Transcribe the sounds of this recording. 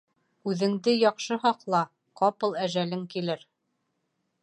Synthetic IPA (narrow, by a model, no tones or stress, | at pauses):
ʉðɘ̆ŋd̪ɘjɒqʃɤɦɑqlˠɑ | qɑpɤlˠæʒælɘŋkilɘɾ